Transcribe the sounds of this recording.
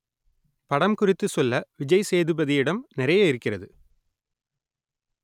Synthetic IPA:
pɐɽɐmkʊrɪt̪ːɯsɔlːɐʋɪd͡ʒɐɪseːðɯbɐðɪjɪɽɐmnɪɾɐjɐɪɾɯkːɪrɐðɯ

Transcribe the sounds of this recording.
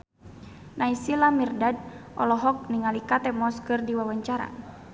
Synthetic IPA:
naisilamirdad̚ʔɔ̰lɔɦɔk̚niŋalikat̪ɛmɔskɨrdiwawaɲt͡ʃaɾa̰

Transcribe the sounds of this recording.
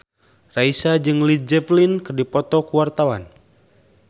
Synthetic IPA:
raisad͡ʒɨŋlid͡ʒɛflinkɨrdipɔt̪ɔkuwart̪awan

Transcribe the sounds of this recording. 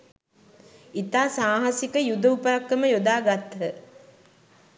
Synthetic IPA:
it̪aːsaːɦasikəjud̪əupəɾakːəməjod̪aːɡat̪ːə

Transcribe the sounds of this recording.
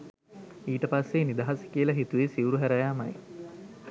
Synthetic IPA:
iːʈəpasːenid̪aɦasə̥kiəlɐɦit̪uʋesiuɾuɦæɾəjaːmɐj

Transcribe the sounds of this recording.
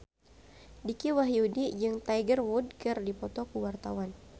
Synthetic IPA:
dikiwaɦjudid͡ʒɨŋt̪ajɡərwud̚kɨrdipɔt̪ɔkuwart̪awan

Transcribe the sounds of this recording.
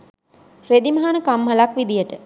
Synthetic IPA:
red̪imaɦanəkamːalakʋid̪ijəʈə

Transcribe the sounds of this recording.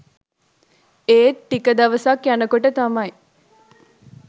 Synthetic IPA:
eːʈ̪ːikɐd̪ɐʋɐsakjænɐkoʈət̪ɐmɐji

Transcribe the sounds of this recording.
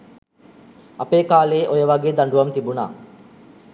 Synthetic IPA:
ɐpeːkaːleːʔojɐʋɐɡeːd̪ɐɳɖuʋɐmt̪ibuna̰ː

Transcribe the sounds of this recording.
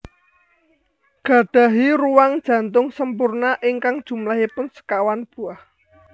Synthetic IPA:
ɡ̥ä̤d̪̥ä̤ɦiɾuwaŋd̥ʒ̥ä̤nt̪ʊŋsəmpʊrnaʔɪŋkaŋd̥ʒ̥ṳmlaɦipʊnsə̥kawanb̥uah

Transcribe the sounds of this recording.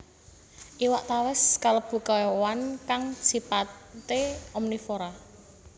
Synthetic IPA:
ʔiwaʔt̪awɪskaləb̥ṳkɔwankaŋsipat̪eɔmnifoɾa

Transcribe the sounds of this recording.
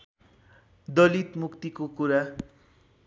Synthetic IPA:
d̪ʌlit̪mukt̪ikokuɾa

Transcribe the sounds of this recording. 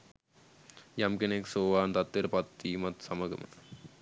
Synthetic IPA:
jɐmkineksoːʋaːnt̪ɐt̪ːiɾpɐt̪ːiːmɐt̪sɐmɐɡɐ̰mɐ̰t̪

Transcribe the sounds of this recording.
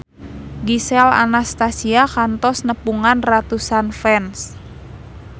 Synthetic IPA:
ɡisɛla̰nast̪asiakant̪ɔsnəpuŋanrat̪usanfɛns

